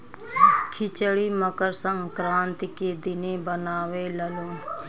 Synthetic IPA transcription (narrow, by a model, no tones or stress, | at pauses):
kʰɪt͡ʃəɽiːməkəɾsə̃ŋɡkɾãːnt̪ikeːd̪ɪneːbənaːʋeːləlõː